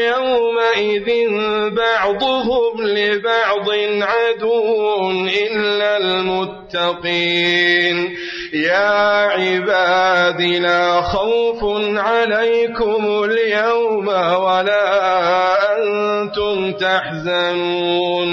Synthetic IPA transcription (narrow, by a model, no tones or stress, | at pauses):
jawmaʔɪðɪnbɑʕd̪ˤʊɦʊmlɪbɑʕd̪ˤɪnʕad̪uːnʔɪlːalmʊt̪ːɑqiːn | jaːʕɪbaːd̪ilaːxawfʊnʕalajkʊmʊljawmwalaːʔant̪ʊmt̪aħzanuːn